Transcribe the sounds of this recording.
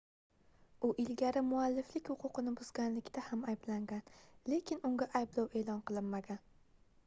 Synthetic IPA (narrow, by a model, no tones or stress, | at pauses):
ʊʔɪlɡʲaɾɪmʊalːɪflɪkʲhʊqʰʊqɨnɪbʊzɡʲanlɪkʲt̪ʰahamajblaŋɡʲanle̞kʲɪnʊŋɡʲaʔajblɒwe̞ːlˠɒnqɨlˠɪnmaɡʲan